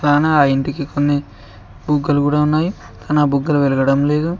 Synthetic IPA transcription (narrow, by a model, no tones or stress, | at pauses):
kaːnɐaːiɳʈikikonːi | buɡːɐlukuːɽaːunːaːji | t̪ɐnɐbuɡːɐluʋelɐɡɐɽɐmle̞ːd̪u